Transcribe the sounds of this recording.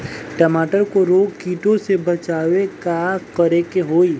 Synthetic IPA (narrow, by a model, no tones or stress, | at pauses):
ʈəmaːʈəɾkoɾoːɡkiːʈõsebɐt͡ʃaːwekakəɾekeɦoːiː